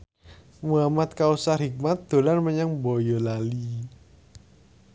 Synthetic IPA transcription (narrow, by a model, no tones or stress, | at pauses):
muamat̪̚kausaɦik̚mat̪̚d̪̥o̤lanməɲaŋbɔjɔlali